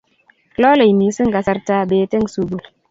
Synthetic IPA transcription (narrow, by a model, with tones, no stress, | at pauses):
lɔː˦le˨ji˨ni˨˦sɨ˦ŋ̩˨ka˨sa˧ɾtaː˦˨beː˨˦te˦˨ŋ˨su˦bu˨l